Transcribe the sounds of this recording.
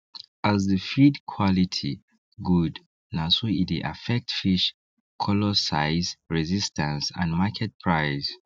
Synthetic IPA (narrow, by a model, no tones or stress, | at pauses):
azðəfidkʰwɔlitʰi | ɡud | nasoitiʔa̰fɛk̚tfiʃ | kʰɔlɔsaɪzɹɛzistʰə̃nsã̰nmakʰɛt̚pʰɹ̥aɪz